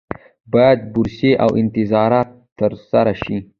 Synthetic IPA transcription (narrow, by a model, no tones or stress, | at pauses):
bɑjad̪̚bʊɾseʔawʔɪnt̪ɪzɑɾɑt̪ː | əɾsaɾaʃi